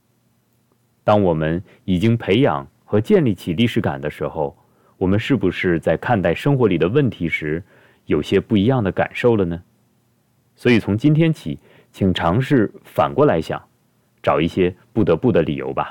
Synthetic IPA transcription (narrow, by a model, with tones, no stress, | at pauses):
t̪ɑ˥ŋwɔ˨˩mə˦n | i˨˩t͡ɕi˥ŋpʰe˧˥ɪjɑ̰˨˩˦ŋ | xɤ˧˥t͡ɕjɛ˥˧nli˥˩t͡ɕʰi˨˩li˥˩ʂɻ̩˧˥ka̰˨˩nd̪ə˦ʂɻ̩˧˥xo˥˧ʊ | wɔ˨˩mə˦nʂɻ̩˥˩bu˧˩ʂɻ̩˥˧t͡sa˥˧ɪkʰa˥˧nt̪a˥˩ɪʂɤ˥ŋxwɔ˧˥li˨˩d̪ə˦wə˥˩nt̪ʰi˧˥ʂɻ̩˧˥ | jo˨˩ʊɕjɛ˥pu˥˩i˧˥jɑ˥˩ŋd̪ə˩ka̰˨˩nʂo˥˩ʊlə˩nə˩ | swɔ˧˥i˨˩t͡sʰʊ˧˥ŋt͡ɕi˥nt̪ʰjɛ˥nt͡ɕʰi˨˩˦ | t͡ɕʰi˨˩ŋʈ͡ʂʰɑ˧˥ŋʂɻ̩˥˩fa̰˨˩nkwɔ˥˩la˧˥ɪɕjɑ̰˨˩˦ŋ | ʈ͡ʂɑ˨˩ʊi˥˩ɕjɛ˥pu˥˩t̪ɤ˧˥pu˥˩d̪ə˩lḭ˨˩jo̰˧˥ʊbɐ̰˧